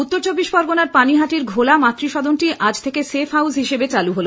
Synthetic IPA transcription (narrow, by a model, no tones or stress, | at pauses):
ut̪ːoɾt͡ɕobːiʃpɔɾɡonaɾpaniɦaʈiɾɡʱolamat̪ːɾiʃɔd̪onʈiʔad͡ʑt̪ʰekesefɦawsɦiʃebet͡ɕaluɦolo